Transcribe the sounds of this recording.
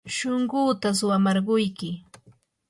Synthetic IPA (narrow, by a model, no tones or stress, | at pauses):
ʃoɴɢʊːt̪as̬ʊwamɑɾɢʊjkɪ